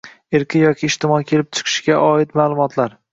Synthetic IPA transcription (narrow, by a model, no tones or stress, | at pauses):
ɪɾkʲʰɪjɒkʲʰɪːʃt̪ɪmɒjkʲʰe̞lɪp̚t͡ʃʰɪ̥qʰɨ̥ʃɡʲaʔɒɪt̪maːlˠʊmɒt̪ʰlaɾ